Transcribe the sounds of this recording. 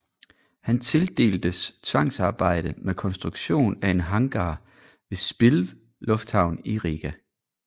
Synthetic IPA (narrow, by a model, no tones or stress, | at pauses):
hænt͡sʰe̝ld̥e̝̰ːld̥əst͡sʰʋɑ̈ŋ̰sɑ̈ːb̥ɑ̈ɪ̰ɾ̥əmekʰɒ̽nsd̥ʁuɡ̥ɕo̝̰ːnæe̝nɦɑ̈ŋɡ̥ɑː | ʋe̝sb̥ilʋ | lɔ̽fd̥hɑ̈ʊ̰niʁiɡ̥æ